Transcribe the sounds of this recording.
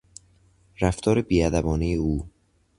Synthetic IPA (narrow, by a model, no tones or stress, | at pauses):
ɾæft̪ʰɒːɾebiːæd̪æbɒːnejeuː